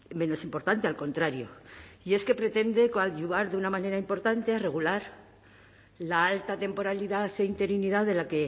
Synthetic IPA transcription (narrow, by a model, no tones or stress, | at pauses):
mẽ̞no̞simpo̞ɾt̪ant̪ealko̞nt̪ɾaɾjo̰ie̞ske̞pɾe̞t̪e̞nd̪e̞kaʝuðaɾðeunamãne̞ɾaimpo̞ɾt̪ant̪eare̞ɣ̞ulaɾ | laalt̪at̪e̞mpo̞ɾaliðaθe̞int̪e̞ɾiniðaðe̞lake̞